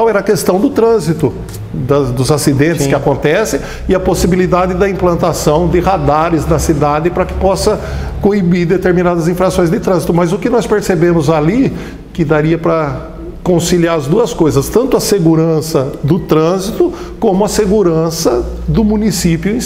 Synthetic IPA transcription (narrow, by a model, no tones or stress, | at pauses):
awɛɾɐkest̪ɐ̃w̃d̪ʊt̪ɾɐ̃zit̪ʊ | d̪ɐd̪ʊzasid̪ẽnt̪ɪɪskɪakõnt̪ɛsẽ | ɪɐposibilid̪ad̪ɪd̪ɐĩplɐ̃nt̪asɐ̃w̃d̪ɪɦad̪aɾɪznɐsid̪ad̪ɪpɾɐkɪ̥pɔsɐ | koibiɾd̪et̪eɾminad̪ɐzĩfɾasõj̃zd̪ɪt̪ɾɐ̃zit̪ʊmɐzʊkɪnɔspeɾsebẽmʊzali | kɪd̪aɾiɐpɾɐ | kõsiliaɾɐzd̪uɐskojzɐst̪ɐ̃nt̪ʊɐseɡuɾɐ̃sɐd̪ʊt̪ɾɐ̃zit̪ʊ | kõmʊɐseɡuɾɐ̃sɐd̪ʊmũnisipjʊẽ